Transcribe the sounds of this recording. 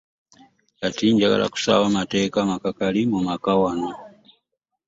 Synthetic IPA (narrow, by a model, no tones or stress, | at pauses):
jatiːɲɟaɡa̰la̰ku̥sa̰wamate̞ːkamakakalimumakawana